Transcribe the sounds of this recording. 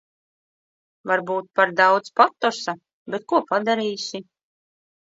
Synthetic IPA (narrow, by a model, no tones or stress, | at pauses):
vaɾbuːt̪̚paɾd̪awd̪spat̪ːɔsa | bet̪̚kuɔpad̪aɾiːsʲi